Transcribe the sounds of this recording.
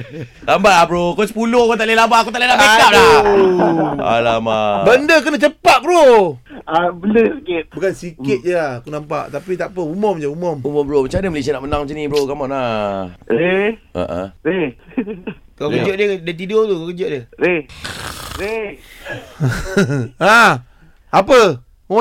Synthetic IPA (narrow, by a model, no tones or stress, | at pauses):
lambaabɾokɔsəpulohkɔt̪aʔlelambakut̪aʔlenaʔpekaʔ̚la | a̰lamabəndək̬ənat͡ʃəpaʔ̪̚bɾo | abələsikɪt̪̚bukansikɪt̪̚d͡ʒakunampa̰ʔt̪apit̪apəumɔmd͡ʒaumɔmumɔmbɾomat͡ʃadəməlesiənaʔmənaŋmət͡ʃanibəɾokamana | ɾe | a̰ʔə̰ɾe | kakəd͡ʒoʔdədat̪̬idot̪ukakəd͡ʒoʔdəɾe | ɾe | a | apə | u